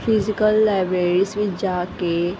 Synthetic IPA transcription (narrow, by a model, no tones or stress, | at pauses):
fizɪkəlːaːɪbɾeːɾisʋid͡ʒaːke